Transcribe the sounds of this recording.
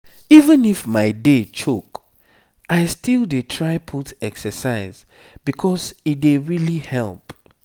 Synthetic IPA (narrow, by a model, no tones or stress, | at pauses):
ivə̃nifmaɪdet͡ʃʰok | aɪstilˠdetʰɹaɪpʰutɛksəsaɪz | bikʰɔsit̚deɹilihɛlˠp